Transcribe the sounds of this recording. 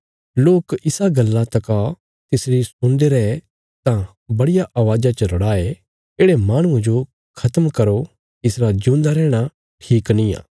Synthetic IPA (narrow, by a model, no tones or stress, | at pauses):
loːkɪsaɡɐlːãt̪ɐka | t̪ɪsɾisʊ̃nd̪eɾɛe | t̪ã | bɐɽɪjaʔɐʋaːd͡ʒat͡ʃəɾɐɽaːe | eːɽemaːɽ̃ʊ̃ẽd͡ʒo | kʰɐt̪əmkɐɾo | ɪsɾad͡ʒũːnd̪aɾɛːɽ̃a | ʈʰiːknĩja̰ː